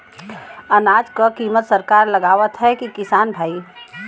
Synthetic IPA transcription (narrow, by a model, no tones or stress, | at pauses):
ənaːd͡ʒkəkiːmət̪səɾkaːɾləɡaːʋət̪ɦɛkikɪsaːnbʱaːi